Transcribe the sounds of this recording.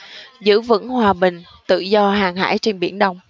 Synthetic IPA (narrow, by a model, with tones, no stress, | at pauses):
zɨ̰˧˥vɨ̰˧˥ŋhwaː˨˩ɓï˨˩ŋ̟ | t̪ɨ̰˧˨zɔ˧ɦaː˨˩ŋɦa̰ː˧˥jt͡ɕe˧nɓḭ˧˩ənɗə˧wŋ͡m